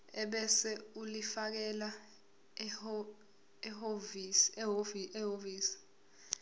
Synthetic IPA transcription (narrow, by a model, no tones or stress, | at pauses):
ɛɓɛsɛulifak̬ɛla | ɛɦov | iɛɦoviːsi̥